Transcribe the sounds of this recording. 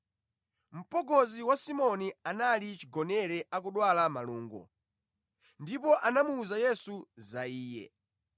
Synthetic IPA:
m̩pɔɡɔziwasimɔnianalit͡ʃiɡɔnɛɾɛʔak̬uɗwalama̰luːŋɡɔ̰ | ndipɔʔanamuːzajɛsuzaiːjɛ̰

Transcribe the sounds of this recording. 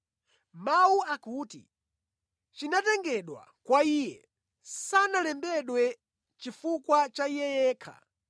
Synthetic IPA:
mauakuːtḭ | t͡ʃinatɛŋɡɛɗwa̰kwaijɛ | sanalɛmbɛɗwɛ | t͡ʃifukwat͡ʃaijɛjɛːkʰa̰

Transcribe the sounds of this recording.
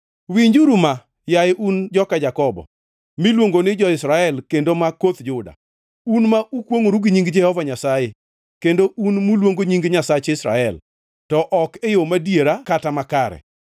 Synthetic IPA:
wiɲd͡ʒuɾuma | jaeʔund͡ʒɔkad͡ʒakɔbɔ̰ | milwoŋɡonɪd͡ʒɔɪsɾaɛlkendomakot̪d͡ʒʊda̰ | unmaʔukwoŋoɾuɡiɲiŋɡd͡ʒɛhɔvaɲasaje | kendoʔunmulwoŋɡoɲiŋɡɲasat͡ʃɪsɾa̰ɛl | tɔʔɔkejomadjeɾakatamakaɾɛ̰

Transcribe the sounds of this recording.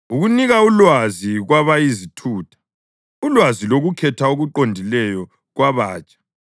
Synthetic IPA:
uɣuniɣaulwaziɣwaβajizitʰuːtʰḁ | ulwaziloɣukʰɛtʰaoɣuǃondʱilɛjɔ | ɣwaβaːt͡ʃʼḁ

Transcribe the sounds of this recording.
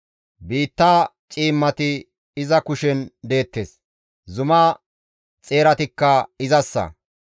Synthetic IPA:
biːt̪ːaː | t͡ʃʼiːmːɐt̪ɪ | ɪzɐkʊʃɛnd̪e̞ːt̪ːeːs | zʊmaː | t͡sʼe̞ːɾɐt̪ɪkːɐɪzɐsːɐ̰

